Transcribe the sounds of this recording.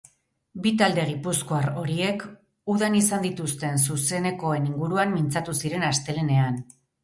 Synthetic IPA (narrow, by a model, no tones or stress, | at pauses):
bit̪ald̪e̞ɣ̞ipusko̞aro̞ɾie̞k | uðanisand̪it̪ust̪e̞nsuse̞ne̞ko̞e̞niŋɡuɾuamːint͡sat̪usiɾe̞nast̪e̞le̞ne̞an